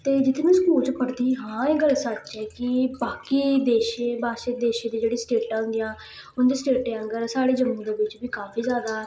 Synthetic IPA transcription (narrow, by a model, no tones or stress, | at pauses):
t̪eːd͡ʒɪt̪ʰːmẽːsəkuːlt͡ʃpəɽd̪iːɦãːeːɡəlsət͡ʃːɛːkɪbaːkiːd̪eːʃẽːbaːʃed̪eːʃẽːd̪iːd͡ʒeːɽĩːsʈeːʈãːŋɡɪjãː | ʊnd̪eːsʈeːʈẽːə̃ŋɡəɾsaːɽeːd͡ʒəmũːd̪eːʋɪt͡ʃbiːkaːfiːzjaːd̪aː